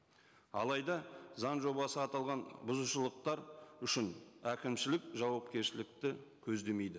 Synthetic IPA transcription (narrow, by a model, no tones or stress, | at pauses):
ɑ̰lˠɑjd̪ɑzɑnʒo̞bɑsəɑt̪ɑlˠʁɑnbʊzuʃəlˠəq̚t̪ɑɾʏʃɪnækʲɪmʃɪlɪkʒɑwɑpkʲe̞ɾʃɪlɪk̚t̪ɪkʲʰɵzd̪e̞me̞jd̪ɪ